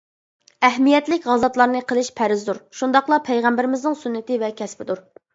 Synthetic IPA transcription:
ɛɦmijɛt̪lɪkʲʁɑzɑt̪lˠɑɾnɨqʰəlˠɪʃpʰæɾɪzd̪uɾʃund̪ɑχlˠɑpʰɛjʁɛmbɪɾɪmɪznɪŋsunːɪt̪ɪvɛkʲʰɛspɪd̪uɾ

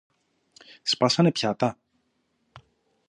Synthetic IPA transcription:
spɐsɐnepçɐt̪ɐ

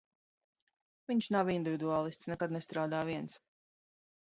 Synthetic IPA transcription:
viɲʃnavind̪ivʲid̪uaːlˠist̪snɛkad̪nɛst̪ɾaːd̪aːviɛns

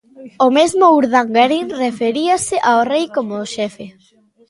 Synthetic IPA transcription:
ʊmezmʊuɾðaŋɡaɾinrefeɾiasɪʔaorejkomoʃɛfe

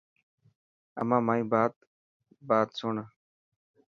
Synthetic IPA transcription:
ə̰mãːmaːĩːbaːt̪ | baːt̪soːɳə

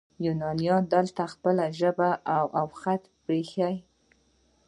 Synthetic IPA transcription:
jʊnɑljɑd̪əlt̪axpəlaʒəbaʔawʔawxat̪pɾexaj

